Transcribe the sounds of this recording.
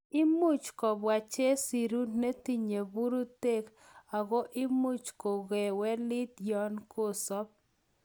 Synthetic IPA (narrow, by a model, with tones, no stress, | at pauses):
ɪ˦mu˦˨t͡ʃkɔ˨bwa˨t͡ʃe˦si˨ɾu˦dne˦t̪i˦ɲe˨bu˦ɾu˦te˦k | a˨ɣo˦ʔɪ˦mu˦t͡ʃko˨ɣe˨wɛ˦lɪ˦t̪jɔ˦nko˦sɔ˦p̚